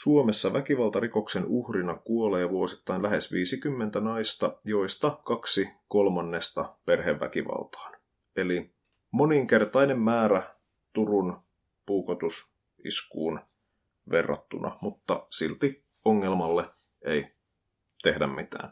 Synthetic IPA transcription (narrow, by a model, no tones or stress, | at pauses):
suomesːɑʋækiʋɑlt̪ɑriko̞ksenuhrinɑkuolejɑʋuosit̪ːɑinlæɦesʋiːsikymːent̪ænɑist̪ɑjo̞ist̪ɑkɑksiko̞lmɑnːest̪ɑpe̞rɦeʋʋæ̰kiʋɑ̰lt̪ɑ̥ːn | eli | mo̞niŋke̞rt̪ɑinemːæːɾæ | t̪urun | puːkot̪us | ḭskṵːn | ʋe̞̰rːɑ̰t̪ːunɑ̰mut̪ːɑsilt̪i | oŋːelmɑlːe | ei | t̪e̞hdæ̰mmit̪æ̰ːn